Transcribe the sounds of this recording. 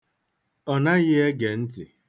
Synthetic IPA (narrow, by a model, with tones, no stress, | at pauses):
ɔ˨na˦ɣɪ˦e˦ɡe˨n̩˦tɪ˨